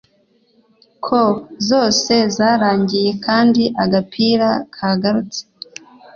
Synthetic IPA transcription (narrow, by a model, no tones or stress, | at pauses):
kʰozo̞ːse̞zaːɾaːɲɟije̞kʰaːndiʔaɡapʰiːɾakʰaːɡaɾut͡se̥